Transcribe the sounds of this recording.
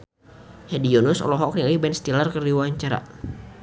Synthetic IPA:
hɛdionusɔ̰lɔɦɔknialibɛnst̪ilarkərdiwaɲt͡ʃaɾa̰

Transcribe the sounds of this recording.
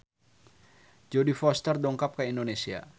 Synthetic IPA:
d͡ʒɔdifɔst̪ərdɔŋkap̚kaindonesia̰

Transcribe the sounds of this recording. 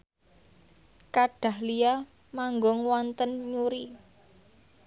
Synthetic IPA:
kaɖ̥a̤hlija | maŋɡɔŋwɔnt̪ənɲuɾi

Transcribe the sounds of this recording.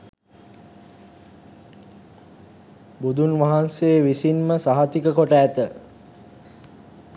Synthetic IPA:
bud̪ʱunʋaɦanseːʋisinməsaɦat̪ikəkoʈəːt̪ə

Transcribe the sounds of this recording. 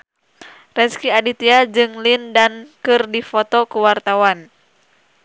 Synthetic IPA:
rɛskiadit̪iad͡ʒɨŋlindankɨrdifɔt̪ɔkuwart̪awan

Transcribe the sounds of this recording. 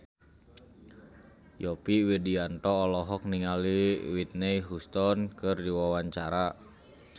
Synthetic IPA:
jɔpiwidiant̪ɔːlɔɦɔk̚niŋaliwit̪̚nɛjɦust̪ɔnkɨrdiwawaɲt͡ʃaɾa

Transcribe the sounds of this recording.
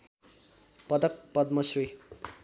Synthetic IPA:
pʌd̪ʌk̚pʌd̪̚mʌsri

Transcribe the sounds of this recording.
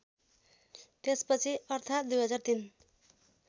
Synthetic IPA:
t̪espʌt͡sʰiʌrt̪ʰat̪d̪ujɦʌd͡zart̪in

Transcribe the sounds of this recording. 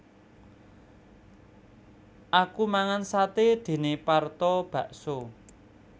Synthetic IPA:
ʔakumaŋansat̪ed̪̥e̤nepart̪ɔb̥ä̤ʔso

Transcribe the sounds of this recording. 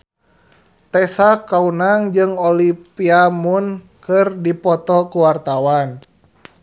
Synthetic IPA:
t̪ɛsakaunaŋd͡ʒɨŋɔlipiamun | kɨrdipɔt̪ɔkuwart̪awan

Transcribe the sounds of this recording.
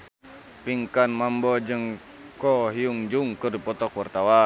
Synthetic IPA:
piŋkanmambɔd͡ʒəŋ | kɔɦiuŋd͡ʒuŋkɨrdipɔt̪ɔkwart̪awa

